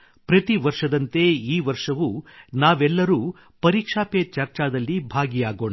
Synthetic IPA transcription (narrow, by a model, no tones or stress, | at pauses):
pɾɐt̪iʋɐɾʂɐd̪ɐnt̪e̞iːʋɐɾʂɐʋunaːʋɛlːɐɾuː | pɐɾikʂaːpet͡ʃɐɾt͡ʃaːd̪ɐlːibʱaːɡijaːɡo̞ːɳa